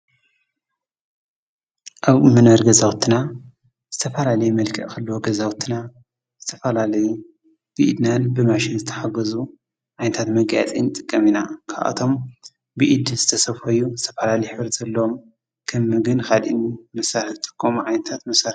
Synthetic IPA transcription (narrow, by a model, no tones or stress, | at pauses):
ʔaβmɨnɐɾɡɐzawt̪ʰːina | z̥ɨt̪ʰɐfɐlalɐjumɐlkʰɐʔkɐlːuwoɡɐzawt̪ʰːɨna | z̥ɨt̪ʰɐfɐlalɐju | b̥ɨʔid̪nanbɨmaʃɪnzɨt̪ʰɐ̥ħaɡɐzu | ʕajnɐt̪ʰat̪mɐɡaja̰t͡sʼinɨt̪ʼɨkʼːɐminakʰa̰βʔa̰t̪ʰo̞m | bɨʔid̪zɨt̪ʰɐsɐβfɐjuzɨt̪ʰɐfalalɐjħɨβɾzɐlːɐwom | kʰɨmːɨɡɨnkʰad̪ʔḭnimɐsaɾɨft̪ʼɨ̥kʼʰːomʕajnɐt̪ʰat̪mɐsaɾ